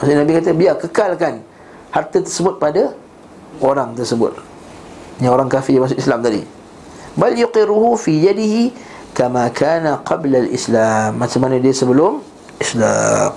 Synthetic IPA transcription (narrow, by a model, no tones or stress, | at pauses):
masʊʔnabikat̪əbiakəkalkan | hart̪ət̪ərsəbʊt̪̚pada | oɾaŋt̪ərsəbʊ̰t̪̚ | ɲaoɾaŋkafɪjamas̬ʊʔislamt̪adḭ | baljuqɪrːuhufijadihi | kamakʰaːnaqɑblalḭslamːat͡ʃamanədiasəbəlʊm | islam